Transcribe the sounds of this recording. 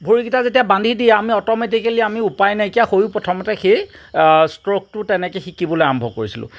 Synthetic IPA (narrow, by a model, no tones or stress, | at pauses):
bʱoɹikitazetijabandʱidijɛamiɔtɔmet̬ikeliamiupajnaekijaxojʊ̃pɹɔtʰɔmɔtɛxej | stɹok̚tʊtɛnɛkɛxikibɔloaɔmbʱɔkoɹisilʊ̰̃